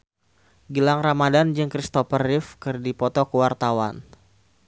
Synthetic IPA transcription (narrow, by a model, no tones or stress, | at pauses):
ɡilaŋramadand͡ʒɨŋkɾist̪ɔfərɪfkɨrdipɔt̪ɔkəwart̪awan